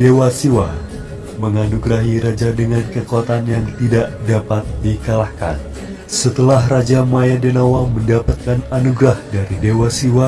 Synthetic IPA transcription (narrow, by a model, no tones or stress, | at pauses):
dewasiwa | məŋanuɡɾaɦiɾad͡ʒadəŋankəkuat̪anjaŋt̪idaʔdapat̪̚dikalahka̰n | sət̪əlaɦrad͡ʒamajadənawaməndapat̪̚kananuɡɾahdaɾidewasiwa